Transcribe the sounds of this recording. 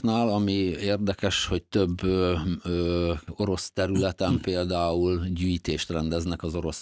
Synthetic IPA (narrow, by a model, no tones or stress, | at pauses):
naːlɒmieːrd̪ɛkɛʃho̞c̚t̪ø̞bːø | o̞ɾo̞st̪ɛɾylɛt̪ɛmpeːld̪aːulɟyːjit̪eːʃt̪rɛnd̪ɛznɛkɒzo̞ɾo̞s